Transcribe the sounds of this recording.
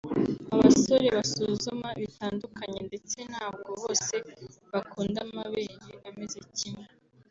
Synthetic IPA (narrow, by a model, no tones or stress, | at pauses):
aβa̰so̞ɾe̞βasuzumaβitaːndukaɲende̞t͡se̞n̥haːb̚ɡo̞βo̞ːse̞βakuːndamaβeːɲeβame̞ze̞cimŋe